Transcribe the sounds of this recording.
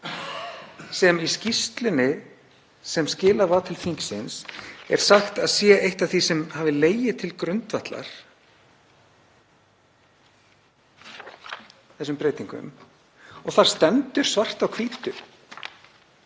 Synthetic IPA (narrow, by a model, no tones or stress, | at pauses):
sɛmiscist̪lʏnɪ | sɛmscɪːlaɾvaːt̪ʰɪlfiŋksɪnsɛ̰ɾ̥saxt̪aðsjɛejht̪aθisɛmhaːvɪleːjɪt̪ʰɪlkɾʏnt̪vaht̪la̰ɾ̥ | θɛsːʏmpɾeːjt̪iŋkʏ̰m | ɔɣθaɾ̥st̪ɛmt̪ʏɾ̥svar̥t̪awkʰviːt̪ʏ